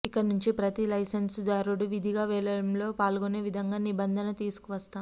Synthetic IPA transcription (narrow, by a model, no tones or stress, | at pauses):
ikːɐnuɲt͡ʃipɾɐt̪ilɐjsensd̪aːɾuɽuʋid̪ʱiɡaːʋɛːɭɐɽɐmlo̞ːpaːlɡone̞ːʋid̪ʱɐŋɡaːnibɐnd̪ʱɐnɐt̪iːsu̥kuʋɐst̪aːm